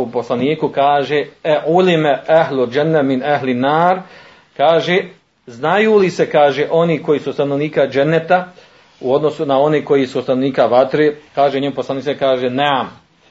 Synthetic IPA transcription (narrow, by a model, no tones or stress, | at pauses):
uposlˠaniːkukaːʒeeʕulimeaɦluld͡ʒanːaminaɦlinːaːɾ | kaːʒe | znajuːlisekaːʒeʔo̞niko̞jiːsust̪ano̞ʋniːkad͡ʒenːet̪a | uo̞d̪no̞sunao̞neko̞jisust̪anoniːkaʋat̪ɾeːkaːʒeɲemposlˠaniːt͡s̪ekaːʒeneam